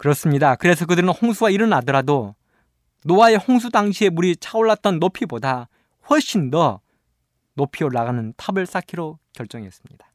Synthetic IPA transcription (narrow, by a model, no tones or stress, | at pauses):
kɯɾʌs͈ɯmɲidakɯɾe̞sʰʌkɯdɯɾɯnhoŋsʰuɡaiɾɯnadɯɾado | noae̞hoŋs̬ʰudaŋɕʰie̞muɾit͡ɕʰaoɭːat̚t͈ʌnːopʰiboda | ɸwʌɭɕ͈ʰindʌ | nopʰioɭːaɣanɯntʰabɯɭs͈akʰiɾokjʌɭt͡ɕ͈ʌŋiʌs͈ɯ̥mɲidḁ